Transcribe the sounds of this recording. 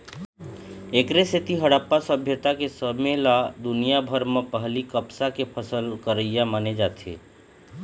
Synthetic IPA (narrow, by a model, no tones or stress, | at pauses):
eːkɾeset̪iɦəɽaːpːasəbʱjət̪akesəmelad̪ʊnijabʱəɾmẽpəɦlikəpsakepʰəsəlkəɾəijaməned͡ʒaːt̪ʰḛː